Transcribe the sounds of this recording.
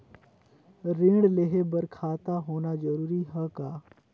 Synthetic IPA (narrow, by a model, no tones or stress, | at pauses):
ɾɪ̃ːɽleɦebɐɾkʰaːt̪aɦoːnad͡ʒɐɾuːɾiɦɛkaː